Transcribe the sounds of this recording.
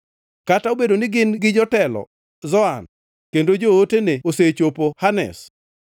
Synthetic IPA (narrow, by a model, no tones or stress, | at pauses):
kataobedonɪɡɪnɡɪd͡ʒɔtɛlɔ̰ | zɔan | kendod͡ʒooteneoset͡ʃopohanɛ̰s